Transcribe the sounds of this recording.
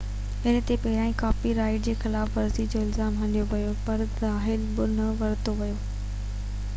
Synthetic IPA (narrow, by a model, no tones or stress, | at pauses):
ɪnə̆t̪epɐɦɾaːĩkaːfiɾaːɪʈd͡ʑeːxɪlaːfʋɐɾzid͡ʑoɪlzaːmɦɐ̃nijoʋɐjopɐɾzaːɦɪlbʊnɐʋɐɾt̪oʋɐjoː